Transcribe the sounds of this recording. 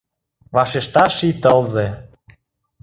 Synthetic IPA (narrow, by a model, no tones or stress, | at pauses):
vɑʃeʃt̪ɑʃit̪əlze